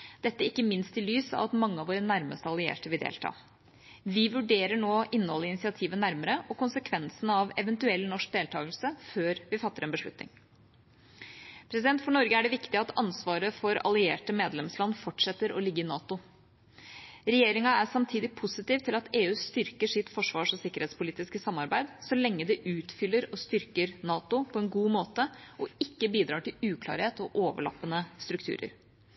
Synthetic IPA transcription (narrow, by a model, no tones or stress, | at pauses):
d̪̥ɛt̪ːəɪkːəmɪnst̪ɪlyːsɑ̰ʋɑt̪mɑŋːəɑʋoːɾənæɾməst̪əɑlɪḛːʈəʋɪld̪ḛːlt̪ʰɑ̰ː | ʋɪʋʉɖeːɾəɳoːʔɪnːəhɔlːəɪnɪsɪɑt̪ʰiːʋənæɾməɾəʔɔkʊnsəkʰʋɛnsənɑʋɛʋɛnt̪ʉɛlːnɔʂk̚d̪eːlt̪ʰɑːɡəlsəføːɾʋɪfɑt̪ːəɾɛnbəʂlʉ̰t̪nɪ̰ŋ | pʰɾɛsɪd̪ɛnt̪fɔɳɔɾɡəæɖɛʋɪkt̪ɪɑt̪ʰɑnsʋɑːɾəfɔɾɑ̰lɪḛːʈəmeːd̪lɛmslɑnːfɔʈʂɛt̪ːəɾɔ̰lɪɡːəɪnɑːt̪ʊ | ɾɛjeːɾɪŋɑæsɑmt̪ʰiːd̪ɪpʰʊsɪt̪iːʋt̪ʰɪlɑt̪eːʉːst̪ʏɾkəʂɪt̪fɔʂʋɑːʂɔsɪkːəɾheːt̪spʊliːt̪ɪskəsɑmːɑɾbæɪd̪sɔlɛŋːəd̪ɛʔʉːt̪fʏlːəɾɔst̪ʏɾkəɾnɑːt̪ʊpʰɔɛnɡuːmoːt̪əɔɪkːəbiːd̪ɾɑːʈɪlʉːkʰlɑ̰ːɾheːt̪ɔʔoːʋə̰ɭɑ̰pːənəst̪ɾʉkt̪ʰʉ̰ːɾə̰ɾ